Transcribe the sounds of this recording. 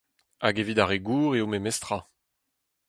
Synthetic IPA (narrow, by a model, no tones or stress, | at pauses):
aɡevid̪aʁeɡuːʁeomemɛst̪ʁa